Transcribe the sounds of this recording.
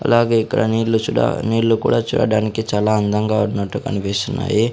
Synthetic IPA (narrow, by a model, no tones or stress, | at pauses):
ɐ̰laːɡe̞ːikːɐ̰ɽɐniːɽlut͡ʃua̰niːɽlːukṵːɽaːt͡ʃuːɽa̰ːɽaːnikit͡ʃaːlaːɐnd̪ʱɐŋɡaːunːɐʈːukɐ̰nipist̪unːa̰ːji